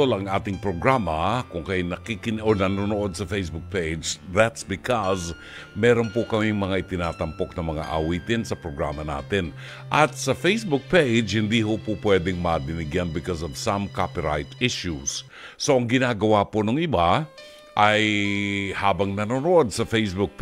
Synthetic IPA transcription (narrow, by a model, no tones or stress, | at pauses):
olɐŋʔaːt̪ɪŋpɾoɡɾaːmɐkʊŋkajnɐkikɪnʔonɐnonoʔod̪̚sɐfejsbʊk̚pejd͡ʒðat̪sbɪkos | mɛːɾonpʊkɐmiŋmɐŋaʔɪt̪ɪnaːt̪ɐmpok̚nɐmɐŋa̰ʔɐ̰wiːt̪ɪnsɐpɾoɡɹa̰ːmɐna̰ːt̪ɪn | ʔɐt̪sɐfejsbʊk̚pejd͡ʒhɪnd̪iɦopʊpwɛd̪ɛŋmɐd̪ɪnɪɡjanbɪkɔs̬ɔvsɐmkapɪɹa̰jt̪ɪʃjusː | oʔɐŋɡɪnaːɡɐwaponoŋɪba | ʔaj | haːbɐŋnɐnonoʔod̪̚sɐfejsbʊk̚p